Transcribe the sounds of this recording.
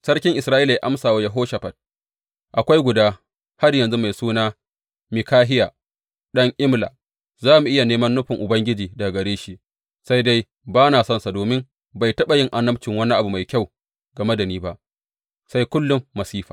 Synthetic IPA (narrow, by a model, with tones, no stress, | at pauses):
sɐ˦rkʲɪ˦ŋʔɪ˨sɾaː˦ʔi˦la˨ja˦ʔa˦msaː˨waː˦jɐ˨ɦoː˦ʃa˨ɸɐ˨t̚ | ʔa˨kʷa˦jɡʷʊ˨daː˦ | ha˦rjɐ˨nzu˦ma˨jsuː˦naː˦ | mɪ˨kaː˦ɦɪ˦ja˨ | ɗɐ˦ŋʔɪ˦mla̰˨ | zaː˦mu˨ʔɪ˦ja˨neː˦mɐ˦nːʊ˦ɸɪ˨ŋʔʊ˨bɐ˦ŋɡʲɪ˦d͡ʒiː˨da˨ɡɐ˨ɽeː˦ʃi˦ʔ | sa˦jda˦j | baː˦naː˨sɔ˦nsa˨doː˨mɪ˦m | ba˨jtɐ˦ɓa˨jɪ˦ŋʔa˨nːɐ˦pt͡ʃɪ˨ŋwɐ˦ni˦ʔa˨bu˨ma˨jkʲa˦˨w | ɡɐ˨mɐ˦dɐ˨niː˦ba˦ʔ | sa˦jkʷʊ˦lːʊ˦mːɐ˨siː˦ɸaː˨